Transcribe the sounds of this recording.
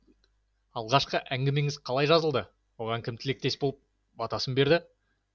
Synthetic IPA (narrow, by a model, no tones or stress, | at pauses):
ɑlˠʁɑʃqəʔæŋɡʲɪme̞ŋɪzqʰɑlˠɑjʒɑzəlˠd̪ə | wo̞ʁɑŋkʲʰɪmt̪ʰɪle̞k̚t̪e̞sbo̞lˠəp̚ | bɑt̪ɑsənbe̞ɾd̪ɪ